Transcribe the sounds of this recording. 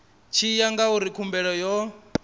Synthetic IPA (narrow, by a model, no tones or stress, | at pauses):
t͡ʃʰijaŋɡauɾikʰumbɛɺɔjɔ